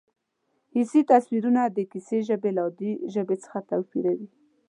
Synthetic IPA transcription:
hisit̪aswiɾunad̪əkiseʒəbelɑd̪iʒəbet͡sə̥xat̪awfḭɾawi

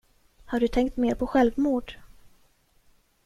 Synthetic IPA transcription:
haɖɵt̪ʰɛŋkt̪meːɾpʰɔɧɛlvmuːɖ̥

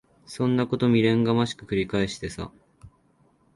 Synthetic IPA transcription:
sõ̞nːako̞t̪o̞mʲiɾẽ̞ŋɡamaɕi̥kɯ̟kɯ̟ɾʲikaeɕi̥t̪e̞sa̰

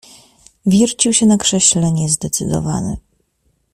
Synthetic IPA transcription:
vʲjɛɾt͡ɕiwɕɛnakʂɛɕlɛɲɛzd̪ɛt̪sɘd̪ɔ̰va̰nɘ̰

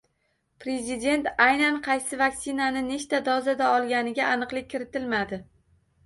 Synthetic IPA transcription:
pɾe̞zɪd̪e̞nt̪ajnanqʰɑjsɪvakʲsɪnanɪne̞t͡ʃt̪ad̪ɒzad̪aɒlˠɡʲanɪɡʲaːnɨqlˠɪɪɾɪt̪ɪlmad̪ɪ

